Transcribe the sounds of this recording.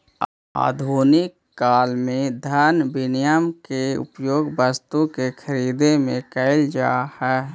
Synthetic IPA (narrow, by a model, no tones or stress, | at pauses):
a̰ːd̪ʱuːnɪkːaːlmẽd̪ʱəɾnbɪnɪjəmkeʊ̰pjoːɡbəst̪ukekʰəɾiːd̪emẽkəɪld͡ʒa̰ːhɛː